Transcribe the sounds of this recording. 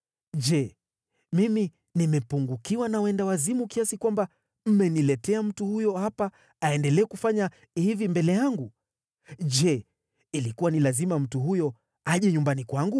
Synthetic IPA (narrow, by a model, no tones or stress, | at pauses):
ʄɛ | mimi | nimɛpuŋɡukiwanawɛndawazimukiasikwamba | m̩mɛnilɛtɛam̩tuhujɔhapa | aɛndɛlɛːkufaɲa | hivimbɛlɛjaŋɡu | ʄɛ | ilikuwanilazimam̩tuhujɔ | aʄɛɲumbanikwaŋɡu